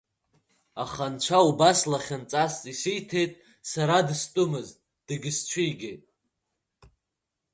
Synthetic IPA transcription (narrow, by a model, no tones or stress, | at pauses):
aχant͡ʃʷʰaubaslaχʲant͡sʼast͡sʼisɨjtʰe̞jtʼ | saɾadstʼʊmɨz | d̥ɨɡʲɪst͡ʃʷʰijɡʲe̞jtʼ